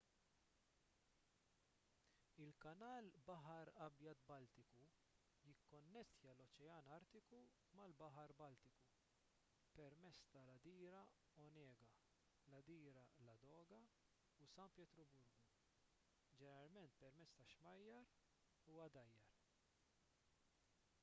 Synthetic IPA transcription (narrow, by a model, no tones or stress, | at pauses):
ɪlkɐnɐːlbɐħɐɾɐbjɐt̪bɐlt̪ɪku | jɪkːɔnːɛst̪jɐlɔt͡ʃɛɐːnɐɾt̪ɪku | mɐlbɐħɐɾbɐlt̪ɪku | pɛɾmɛt͡sːt̪ɐlɐd̪iːɾɐ | ɔnɛːɡɐ | lɐd̪iːɾɐlɐd̪ɔːɡɐ | usɐnpjɛt̪ɾɔbʊɾɡu | d͡ʒɛnɛɾɐlmɛnt̪pɛɾmɛt͡sːt̪ɐʃmɐjːɐɾ | uːɐd̪ɐjːɐɾ